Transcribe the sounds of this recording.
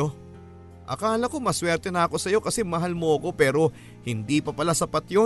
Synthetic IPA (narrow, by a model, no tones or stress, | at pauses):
o | ʔɐ̰kaːlɐko̞mɐswɛɾt̪ɛnɐɐko̞sɐjo̞kɐsɛmɐɦalmoʔɐko̞pɛːɾo̞ | hɪnd̪ipɐpɐlasɐpɐt̪jo